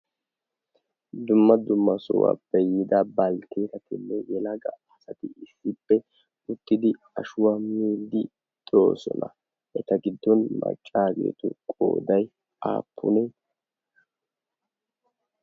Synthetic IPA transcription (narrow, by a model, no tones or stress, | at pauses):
d̪ʊmːɐd̪ʊmːɐsʊwa̰ːbɛjːɪd̪ɐbɐlt̪eːt̪ɐt̪ɪnːɛjɛlɐɡɐ̰ɐsɐt̪ɪɪsːɪpːɛ | ʊt̪ːɪd̪ɪ | ɐʃʊwamiːld̪ɪ | t̪ʼoːsɔnɐ | ʔɛt̪ɐɡɪd̪ːɔnmɐ̰t͡ʃʼːaːɡḛːt̪ʊ̰kʼo̰ːd̪ɐj | a̰ːpʰːʊ̰nɛ